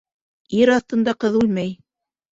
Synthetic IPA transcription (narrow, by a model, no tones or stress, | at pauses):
iɾɑθt̪ɤ̆nd̪ɑqɤðʉlmæj